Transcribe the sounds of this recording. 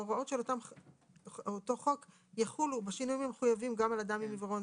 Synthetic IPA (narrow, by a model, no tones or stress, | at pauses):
oʁao̞tʃelot̪am | ot̪o̞χo̞k | jaχulubeʃinujimemeχujavimɡamalad̪amimivʁon